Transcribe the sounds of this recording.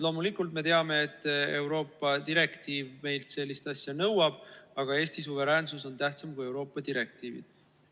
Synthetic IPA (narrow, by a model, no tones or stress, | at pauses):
lo̞ːmulikːult̪me̞t̪e̞ɑme̞ːt̪ːˑe̞wɾo̞ːpːˑɑd̪iɾe̞kt̪iːvme̞jlt̪se̞lːist̪ɑsʲjɑnɤwɑb̥ɑɡ̥ɑe̞ːst̪is̬uve̞ɾæːnsuso̞nt̪æht̪sɑmkuje̞wɾo̞ːpːˑɑd̪iɾe̞k̚t̪iːvḭd̪̥